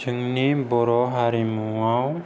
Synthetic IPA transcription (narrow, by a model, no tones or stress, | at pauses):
t͡ʃʰɯŋnibɔɾɔɦaɾimuaw